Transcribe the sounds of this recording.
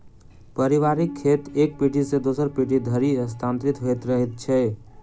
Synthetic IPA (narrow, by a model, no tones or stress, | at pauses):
pəɾiʋaɾikʰːet̪ek̚piʈʰisẽd̪osəɾpiʈʰid̪ʱəɾiəst̪ʰant̪ɾit̪ɦojt̪ɾəɦɛt̪̚t͡ʃʰɛ